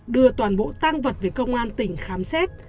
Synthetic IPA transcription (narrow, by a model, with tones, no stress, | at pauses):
ɗɨ˧ət̪waː˨˩nɓo̰˧˨t̪aː˧ŋvə˨˩t̚ve˨˩kə˧wŋ͡mʔaː˧nt̪ï˧˩ŋ̟xaː˨˦msɛ˦˥t̚